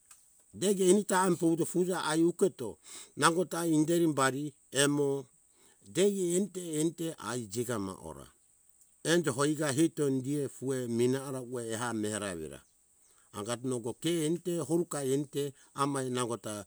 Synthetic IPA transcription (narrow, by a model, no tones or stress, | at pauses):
deɡeinitaɛmpohutofud͡ʒaʔajukɛto̰naɡɔtaindeɾimbaɾi | ɛmo | deɡeːntɛːntɛʔa̰jd͡ʒiɡama̰ʔo̰ɾa̰ | ɛnd͡ʒɔɦoiɡaɦitondiefueminaːɾaueːɦamehaɾa̰βɛ̰ɾa̰ | aɡatnoɡokɛːnitɛhɦoɾukaɛnitɛ | amajnaɡɔta